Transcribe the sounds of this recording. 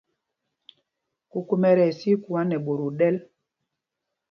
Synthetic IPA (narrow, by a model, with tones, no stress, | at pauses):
ku˨ku˦mɛ˨ɾɛ˨si˦ku˨a˦nɛ˨ɓo˨ɾo˨ɗɛ˦l